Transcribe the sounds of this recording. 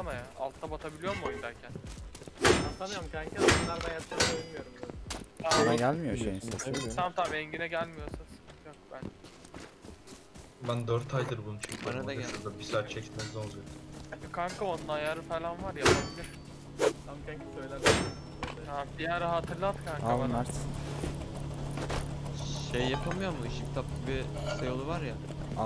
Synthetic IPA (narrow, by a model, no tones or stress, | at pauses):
t̪amajaa̰lˠt̪t̪ːabat̪ʰabilʲijo̞ɾmod̪æɾcʰæn | sanɯjamkʰaɲcʰiaanlˠaɾd̪anjaɯɾomijo̞ɾumt̪anaɡælʲmijoesamt̪ʰamɛɲɟinɛɟælʲmijo̞susjok̚bæn | bænd̪øɾt̪ʰajd̪ɯɾbunut͡ʃʰyɲcʰbanad̪asɯd̪abisaɾt͡ʃʰɛc̪ʰʲmesizolˠd̪ujɾankʰaŋkʰaond̪ˠaːjaɾɯfelʲanvaɾjapʰabilʲˠɯɾ | t̪ʰamkʰɛksø̞jlʲemɛ | abijaɾɦaːt̪ʰɯɾlˠat̪kʰaŋkaaaɾsn | ʃejːapʰamɯjo̞ɾmuiʃict̪ʰap̚t̪ˠɯbi | sejolˠuvaɾja